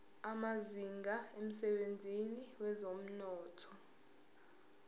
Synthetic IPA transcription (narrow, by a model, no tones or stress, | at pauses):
amaziŋɡʱaem̩sɛɓend͡zʱiniwɛzom̩nɔːtʰɔ